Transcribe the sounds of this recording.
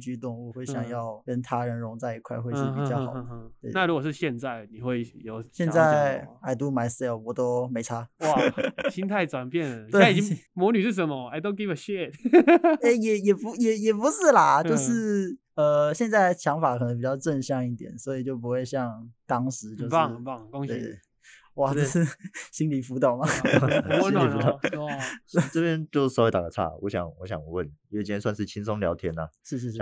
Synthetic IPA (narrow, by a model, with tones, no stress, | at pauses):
t͡ɕy˥˧t̪ʊ˥˩ŋwɔ˨˩xwe˥˩ɪɕjɑ˨˩ŋjɑ˥˩ʊkə˦˥nt̪ʰa˥ɻə˧˥nɻʊ˧˥ŋt͡sa˥˧ɪi˧˥kʰwa˥˧ɪxwe˥˧ɪʂi˥˩pi˨˩t͡ɕjɑ˥˩xɑ̰˨˩ʊ˧d̪ə˧˦twe˥˩ɪna˥˨ɻu˧˥kwɔ˨˩ʂɻ̩˥˧ɕjɛ˥˧nt͡sa˥˩ɪni˨˩xwe˥˩ɪjo˨˩ʊɕjɛ˥˧˨nt͡sa˥˩ɪɪa˧˩ɪt̪u˧˥ma˧˥ɪsɛ˥˩˨wɔ˧˦˥t̪o˥me˧˥ɪʈ͡ʂʰa˥wa˨ɕi˥nt̪ʰa˥˧ɪʈ͡ʂwa˨˩npjɛ˥˩nlə˨˩˨twe˥˩a˥i˨t͡ɕi˥ŋmwɔ˧˥ny˨˩ʂ̩˥˩ʂ̬ə˧˦nmə˧˨a˧˩ɪt̪o˥ʊk̬i˥ə˨˩ɕɛ˥˧t̪ | e˥˧ɪjɛ˨˩jɛ˨˩pu˧˥jɛ˨˩jɛ˨˩pu˧˥ʂɻ̩˥˩lɐ˨˩t͡ɕjo˥˧ʊʂɻ̩˥˩ | ə˧ɕjɛ˥˧nt͡sa˥˩ɪt͡ɕʰjɑ˧˥ŋfa˨˩kʰnə˧˥ŋp̬i˨˩t͡ɕjɑ˥˧ʊʈ͡ʂə˥˧nɕjɑ˥˧ŋi˥˩t̪jɛ̰˨˩nswɔ˧˥i˨˩t͡ɕjo˥˩ʊp̬u˧˥xwe˥˧ɪɕjɑ˥˩ŋt̪ɑ˥ŋʂɻ̩˧˥˦t͡ɕjo˥˧ʊ˥˩˧twe˥˩˧ɪ˥˩ | wa˥˩ʈ͡ʂə˥˧˩ʂɻ̩˥˩ɕi˥nli˨˩fu˧˥t̪o˨˩ʊmɐ˩˥ | i˨˩ft̪o˨˩˧ | ʈ͡ʂɤ˥˧pjɛ˥nt͡ɕjo˥˧ʊʂ̩˥˩swe˧˥t̪a̰˨˩ə˩t͡sʰa̰˥˩wɔ˧˥ɕjɑ̰˨˩ŋwɔ˧˥ɕjɑ̰˨˩ŋwə˥˩nji˨˩˥swa˥˧nʂɻ̩˥˩t͡ɕʰi˥nsʊ˥ŋljɑ˧˥ʊt̪ʰjɛ˥nɐ˨ʂɻ̩˥˧ʂ̬ɻ̩˥˧ʂ